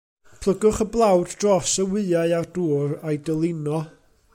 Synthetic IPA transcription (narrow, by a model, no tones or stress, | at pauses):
pʰlˠəɡʊχəblˠawddrɔsəwɨaɨarduːrajdəlˠɪnɔ